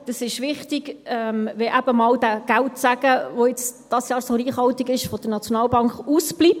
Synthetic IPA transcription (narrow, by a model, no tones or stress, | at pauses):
d̥əsɪʃʋɪχt̪iɡɛmʋɛʔæb̥əmɑld̥æɡ̥æltsæɡ̥əʋoɪt͡sd̥ɑsjɑːɾsoɾiːχhɑltiɡɪʃfɔd̥ənɑt͡sjonɑːlbɑŋkχuːsb̥lip̚